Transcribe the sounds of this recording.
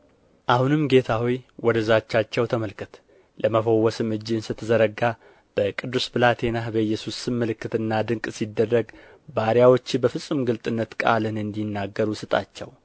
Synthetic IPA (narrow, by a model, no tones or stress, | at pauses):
ʔahunɨmɡe̞t̪ʰawɔjwɔd̪əzat͡ʃːat͡ʃːɛwt̪ʰəməlkʰɨt̪ | ləməfəwːɔsɨmɨd͡ʒːɪnsɨt̪ʰːɨzəɾəɡa | b̥əkʼɨd̪ːusbɨlat̪ʰe̞nahbəɨjːɛsusɨmːəlɨkːɨt̪ɨnːad̪ɨŋkʼsid̪ːərːəɡ | baɾjawot͡ʃːbəfɨsʼɨmɡɨlt̪ʼɨnːət̪kʼa̰lɨnɨnd̪inːaɡːəɾusɨt̪ʼa̰t͡ʃːɛw